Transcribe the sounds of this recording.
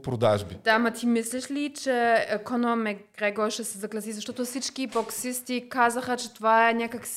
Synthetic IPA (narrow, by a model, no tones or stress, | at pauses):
pɾod̪aʒbid̪̥amɐt̪ʰimislɛʃlit͡ʃɛɛkonomɛɡ̥ɾɛɡoʃɛsɛzɐɡlʲɐsizɐʃt̪ɔt̪ʊfsit͡ʃkiboksist̪ikazɐxɐt͡ʃɛt̪ovaɛnʲakəks